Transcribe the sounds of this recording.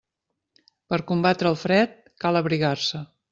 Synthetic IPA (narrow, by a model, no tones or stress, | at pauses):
pəɾkumbat̪ɾəːlˠfɾɛt̪̚ | kaləβɾiɣarsə